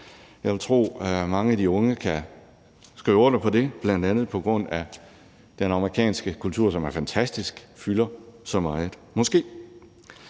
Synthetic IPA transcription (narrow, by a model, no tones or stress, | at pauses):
jɑ̈ɪʋe̝lt͡sʰʁo̝̰ːmɑ̈ŋəædiɔ̽ŋəkʰæ | sɡ̥ʁḭːʊodəpʰɒ̽d̥e̝b̥lænd̥ænð̩ˠpʰɒ̽ɡ̥ʁɔ̽n̰æ | d̥enɑ̈məʁikʰɛ̰ːnsɡ̥əkʰult͡sʰuɐ̰sɒ̽mæɐfænt͡sʰæsd̥isɡ̥fylɐsɒ̽mɑ̈ɪð̩ˠmɒ̽sɡ̥e̝̰ː